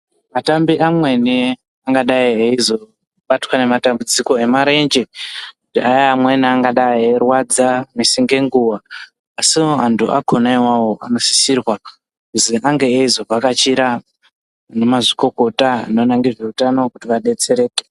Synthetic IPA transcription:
matambiʔamwe̞ne | aŋɡaɗaieizo̞ | ɓatwane̞matambud͡ziko̞e̞maɾe̞nd͡ʒekutiajaːmweneaŋɡaɗaierwad͡zamisiŋɡe̞ŋɡuwaː | sioantʰuʔa̰kʰo̞naiwawo̞ʔa̰no̞si̥sirwa | kuziʔaŋɡe̞ːizo̞pakat͡ʃiɾa | nemaʐiko̞ko̞tano̞naŋɡiʐe̞utanokutiʋaɗe̞t͡se̞ɾe̞ːke̥

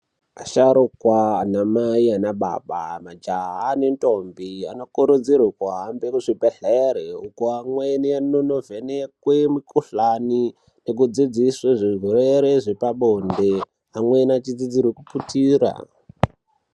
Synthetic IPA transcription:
aʃaɾukwaːnamaianaɓa̰ɓa̰mad͡ʒaɦanentʼombia̰nokuɾud͡zirikwaɦambekuʐibeɮeɾeukuamwenianonovenekwemikuɬani | nek̬ud͡zid͡zisweʐiɦoɾeɾeʐe̞paɓonde | amwenat͡ʃid͡zid͡zirwekuputiːɾa̰

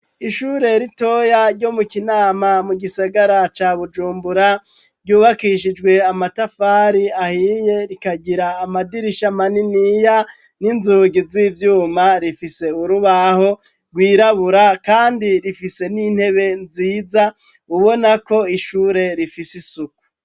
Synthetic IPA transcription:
iʃuːɾe̞ɾito̞jaɾɟo̞mukinaːmamuɡisaɡaɾat͡ʃaβud͡ʒuːmbuɾa | ɾɟuːβakiʃid͡ʒɡwe̞amatafaːɾiahije̞ɾikaɟiɾaːmadiɾiʃamaninija | ninzuːɡizivjuːmaɾifise̞uɾuβaho̞ | ɡwiːɾaβuɾakaːndiɾifise̞nin̥he̞βe̞nziːza | uβo̞nako̞iʃuːɾe̞ɾifisisuku̥

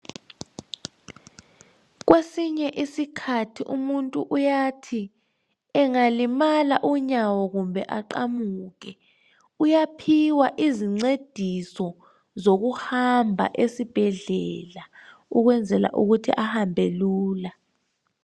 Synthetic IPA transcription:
ɣ̬wesiɲɛʔisikʰatʰiʔumuntʼuʔujatʰi | ɛŋalimalaʔuɲawɔɣumbʱɛʔaǃamuɣɛ | ujapʰiwaʔiziŋ͡ǀed̥ʱisɔ | zoɣuhambʱa̰ʔesib̥ʱɛɮɛlauɣwɛnd͡zʱɛla̰ʔuɣutʰḭʔahambʱeluːla

